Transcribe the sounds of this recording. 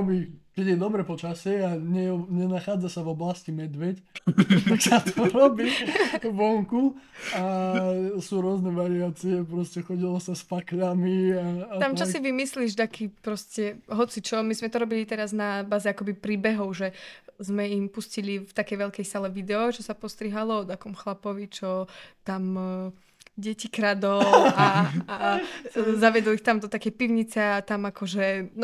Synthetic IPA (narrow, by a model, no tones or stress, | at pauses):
ɔbikɛɟjɛd̪ɔbɾɛpɔt͡ʃasɛaɲɛɲɛnaxaːd͡zasavɔblascimɛd̪ʋɛct̪aksat̪ɔɾɔbiakɔʋɔŋku | a | suːɾʊɔznɛʋaɾiaːt͡siɛpɾɔscɛxɔɟilɔsaspakʎamiat̪amt͡ʃɔsiʋimisliʒd̪akʰiːpɾɔscɛɦɔt͡sit͡ʃɔmizmɛt̪ɔɾɔbilit̪ɛɾaznabaːzɛakɔbipɾiːbɛɦɔʊʒɛzmɛimpuscilift̪akɛjʋɛlkɛjsalɛʋid̪ɛɔt͡ʃɔsapɔst̪ɾiɦalɔɔd̪akɔmxlapɔʋit͡ʃɔt̪am | ɟɛcikɾad̪ɔlaa | zaʋɪɛd̪ɔlixt̪amd̪ɔt̪akɛjpiʊɲit͡sɛat̪amakɔʒɛn